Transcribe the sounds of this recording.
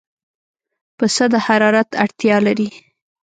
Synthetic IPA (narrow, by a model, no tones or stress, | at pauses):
pəsəd̪əhaɾɑɾat̪a̰ɽt̪jɑlaɾi